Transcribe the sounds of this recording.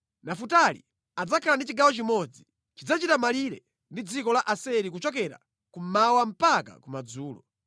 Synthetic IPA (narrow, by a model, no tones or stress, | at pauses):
nafutalḭ | ad͡zakʰalandit͡ʃiɡawɔt͡ʃimɔd͡zi | t͡ʃid͡zat͡ʃitamaliɾɛ | ndid͡zikɔlaʔasɛɾik̬ut͡ʃɔk̬ɛɾa̰ | kum̩mawam̩paka̰kumad͡zuːlɔ̰